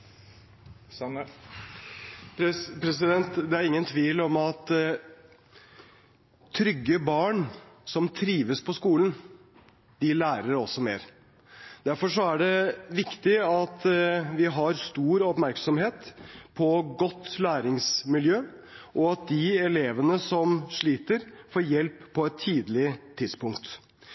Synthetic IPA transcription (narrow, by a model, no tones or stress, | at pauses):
pʰɾɛsɪd̪ɛnt̪d̪ɛæɾɪŋːənt̪ʰʋiːlɔmɑt̪ | t̪ʰɾʏɡːəbɑːɳsɔmt̪ʰɾiːʋəspʰɔskuːlən | d̪ɪlæːɾəɾɔsːɔmḛːɾ | d̪æɾfɔʂɔæɖɛʋɪkt̪ɪɑt̪ʋɪɦɑɾst̪uːɾɔpmæɾksɔmɦeːt̪pʰɔɡɔt̪ːlæːɾɪŋsmɪljøː | ʔɔɑt̪̚d̪ɪɛleːʋənəsɔmʂɭiːt̪əɾfoːɾjɛlpʰːɔɛt̪ʰːiːd̪lɪt̪ʰɪd̪spʰʊŋkt̪